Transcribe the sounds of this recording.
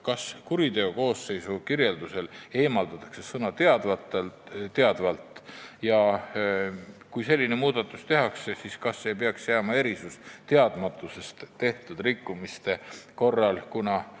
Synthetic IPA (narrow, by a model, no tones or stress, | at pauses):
kɑskuɾit̪e̞oko̞ːsːe̞jsukirje̞ld̪̥use̞le̞ːmɑld̪ɑt̪ːˑɑ̥kse̞sɤnɑt̪eɑd̪̥vɑt̪elt̪eɑd̪vɑlt̪ˑjɑ | kujse̞lʲːine̞muːd̪̥ɑt̪ːˑust̪e̞ɦɑksesiːskɑsːe̞p̬e̞ɑksjæːmɑe̞ɾisust̪e̞ɑd̪̥mɑt̪ːˑuse̞st̪t̪ːe̞ht̪ud̪̥rikːˑumist̪e̞ko̞rːɑlkunɑ